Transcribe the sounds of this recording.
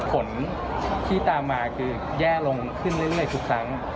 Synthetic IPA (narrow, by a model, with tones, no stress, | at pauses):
pʰo˩˦n | t̪ʰiː˥˩t̪aː˧mːaː˧kʰɯː˧ | jɛː˥˩lo˧ŋkʰɯ˥˩nɾɯ˥˩jɾɯ˥˩əjt̪ʰu˨˦˩kʰɾa˦˥ŋ